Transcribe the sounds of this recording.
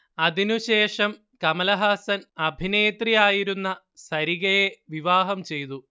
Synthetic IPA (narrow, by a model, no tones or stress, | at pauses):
ɐðinuɕe̞ːʂɐm | kɐmɐlɐɦaːsɐnɐbʱineːt̪rijaːjiɾunːɐ | sɐɾiɣɐjeʋiʋaːɦɐmt͡ɕe̞jt̪u